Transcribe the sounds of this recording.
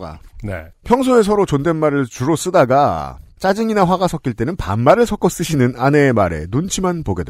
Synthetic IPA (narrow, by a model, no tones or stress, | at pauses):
ɡa̰nḛpʰjʌŋsʰoe̞s̬ʰʌɾot͡ɕonde̞nmaɾɯɭt͡ɕuɾos͈ɯdaɡat͡ɕ͈ad͡ʑiŋinaɸwaɡasʰʌk͈iɭt͈e̞nɯnpa̰mmaɾɯɭsʰʌk͈ʌs͈ɯɕʰinɯnane̞ːmaɾe̞̰nunt͡ɕʰimanpoɡedwḛ